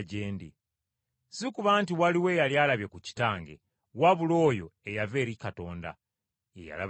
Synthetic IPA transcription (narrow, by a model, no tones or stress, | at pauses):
ɟeːndḭ | sikuβaːntiwaliwe̞ːjaljalaβjekuci̥taːŋɡḛ | waβulo̞ːjo̞̰ejave̞ːɾikato̞ːnda̰ | eja̰la̰